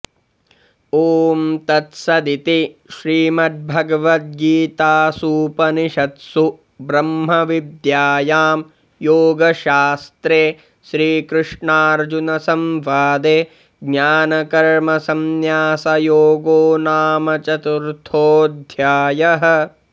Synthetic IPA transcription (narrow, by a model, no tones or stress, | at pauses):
oːmt̪ɐt̪sɐd̪it̪iʃɾiːmɐt̪̚bʱɐɡɐʋɐt̪̚ɡiːt̪aːsuːpɐniʃɐt̪su | bɾɐmɦɐʋid̪jaːjaːm | joːɡɐʃaːst̪ɾeː | ʃɾiːkɾɨʂɳaːɾd͡ʒunɐsɐmʋaːd̪e | ɡɲaːnɐkɐɾmɐsɐmjaːsɐjoːɡoːnaːmɐt͡ʃɐt̪uɾt̪ʰoːd̪ʱjaːjɐɦɐ̆